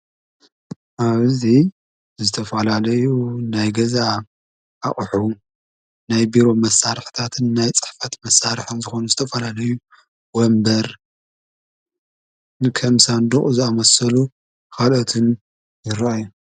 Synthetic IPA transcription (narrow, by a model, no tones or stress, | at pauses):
ʔaβzi | zɨt̪ʰɐfɐlalɐjunajɡɐza | ʔaχʼħu | najbiɾo̞mɐsːaɾħt̪ʰat̪ʰɨnːajt͡sʼɨ̥ħfat̪mɐsaɾħɨnzɨxo̞nuzɨt̪ʰɐfɐlalɐju | wɔmbɐɾ | nɨkʰɐmsand̪uχʼuzɨamɐsɐlu | kalot̪ʰɨn | jɪɾaajːu